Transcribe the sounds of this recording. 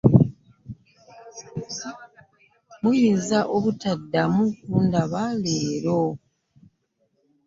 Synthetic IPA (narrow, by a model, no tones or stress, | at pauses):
mujiːzaʔoβutadːamukuːndaβaleːɾo